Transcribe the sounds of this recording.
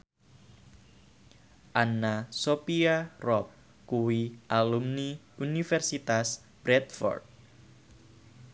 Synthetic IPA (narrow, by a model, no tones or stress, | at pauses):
ʔanasopiarɔp̚ | kuwiʔalumni | unifɛrsit̪as | b̥ɾɛt̪fɔ̰rd̪̚